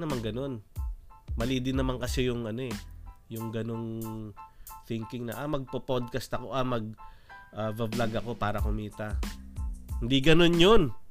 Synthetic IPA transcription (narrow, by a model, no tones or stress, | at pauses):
nɐmaŋɡɐno̞n | mɐliːd̪ɪnɐmankɐsɛjʊŋʔɐno̞ɛjʊŋɡɐno̞ŋ | θɪŋkɪŋnɐʔamɐɡ̚popod̪̚kɐst̪ɐko̞ʔamɐɡ̚ʔavɐblaɡɐko̞paːɾɐkʊmiːt̪ɐ | hɪnd̪iɡɐno̞njo̞n